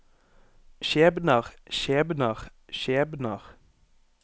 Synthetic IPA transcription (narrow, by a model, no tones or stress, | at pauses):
ʃeːbnəʁʃeːbnəʁ | ʃeːbnəʁ